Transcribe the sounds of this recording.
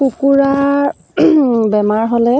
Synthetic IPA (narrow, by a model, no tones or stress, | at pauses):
kukuɹa | bɛmaɹɦɔlɛ